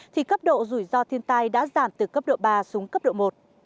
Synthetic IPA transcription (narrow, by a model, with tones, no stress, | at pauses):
t̪ʰi˨˩kə˦˥p̚ɗo̰˧˨zu˧˩jzɔ˧t̪ʰi˧ənt̪aː˧jɗa̰ː˧˥zaː˧˩mt̪ɨ˨˩kə˦˥p̚ɗo̰˧˨ɓaː˧su˨˦ŋkə˦˥p̚ɗo̰˧˨mo˨˩t̚